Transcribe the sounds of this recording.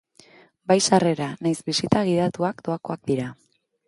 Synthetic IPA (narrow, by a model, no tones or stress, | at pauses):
bajsare̞ɾanajzbisit̪aɣ̞iðat̪uakd̪o̞ako̞ak̚d̪iɾa